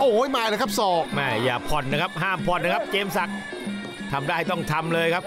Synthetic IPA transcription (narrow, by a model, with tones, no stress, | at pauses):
ʔoː˧˩a˥˩jmaː˧˩jlaː˧˩kʰa˥p̚sɔː˨˩k̚mɛː˥˩jaː˨˩pʰɔ˨˩nːa˦˥kʰa˦˥p̚ɦaː˥˩mpʰɔ˨˩nːa˦˥kʰa˦˥p̚t͡ɕeː˧msa˨˩k̚ | t̪ʰa˧mda˦˥˩ha˩t̪ɔ˥˩ŋt̪ʰa˧mlɤː˧jkʰp̚